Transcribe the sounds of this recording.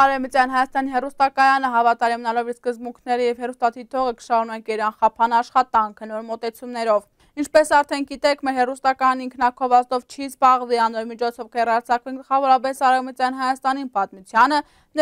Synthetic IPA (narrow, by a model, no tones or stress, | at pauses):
ɑɾɛvmət͡sjɑnɦɑjɑst̪ɑniɦɛrust̪ɑkɑjɑnəɦɑvɑt̪ɑɾimənɑlɔviskəzbuŋkʰnɛɾəjɛvhɛrust̪ɑt̪ʰit̪ʰɔʁəkə̥ʃɑɾunɑkɛɾɑnχɑpʰɑnɑʃχɑt̪ɑŋkʰənɔɾmɔt̪ɛt͡sʰumnɛɾɔv | int͡ʃʰpɛsɑɾt̪ʰɛnɡit̪ɛkʰmɛɾɦɛrust̪ɑkɑjɑniŋkʰnɑkʰɔvɑzt̪ɔvt͡ʃʰizbɑʁviɑnɔɾmit͡ʃʰɔt͡sʰɔvkəjɛrɑɾt͡sʰɑkviɡəlχɑvɔɾɑp̬ɛsɑɾɛvmət͡sjɑnɦɑjɑst̪ɑninpɑt̪mut͡sʰjɑnə | n